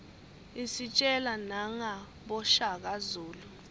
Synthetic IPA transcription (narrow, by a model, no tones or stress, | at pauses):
isit͡ʃʼɛlanaŋa | ɓɔʃak̬azuːlu